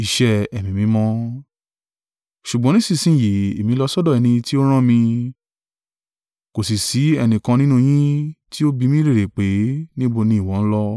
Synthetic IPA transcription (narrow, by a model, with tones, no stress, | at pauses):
i˧˨ʃɛ˧ɛ˨mĩ˨mĩ˨˦mɔ̃˧˦ | ʃu˨ɡ͡bɔ̃˨˦nĩ˦sĩ˦˨sĩ˨˦˨ji˨e˨mĩ˨˦lɔ˧sɔ˦dɔ˦˨ɛ˧nĩ˧ti˦o˦ɾ̃ã˦mĩ˧ | ko˨si˨si˨˦ɛ˧nĩ˨kã˧nĩ˦nũ˦˧j̃ĩ˦ti˦o˦bi˧mĩ˦ɾe˦˨ɾe˨k͡pe˨˦nĩ˦bo˧nĩ˧˦i˨wɔ̃˨˦n̩˦lɔ˦